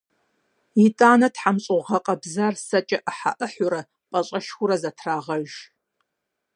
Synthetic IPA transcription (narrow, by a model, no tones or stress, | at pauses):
itʼaːnɐtħamɕʼʊʁɐqʼɐbzarsɐt͡ʃʼɐʔəħa̰ʔəħʷʊɾɐ | pʼɐɕʼɐʃxʷʊɾɐzɐtʰraːʁɐʒ